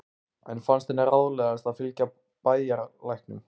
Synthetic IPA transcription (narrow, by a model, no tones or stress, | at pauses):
ɛ̰nfanst̪ɛnːaɾawðlɛɣaɛst̪aðfɪlca | paːjjaɾlajhknʏ̰m